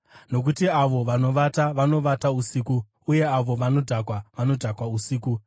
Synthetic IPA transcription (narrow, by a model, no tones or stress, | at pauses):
no̞k̬utiaʋo̞ʋano̞ʋataʋano̞ʋatausiːkuː | je̞aʋo̞ʋano̞dʱakwaʋano̞dʱakwausiːku